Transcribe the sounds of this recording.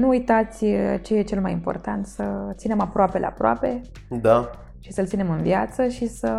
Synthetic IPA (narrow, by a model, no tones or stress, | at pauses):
nuːjt̪at̪sʲt͡ʃejet͡ʃe̞lmajimpo̞̰rt̪ant̪sət̪sine̞mapɾoapelḛa̰pɾoa̰pe̞ | d̪a | ʃisəlt̪sinemɨnvjat̪səʃisə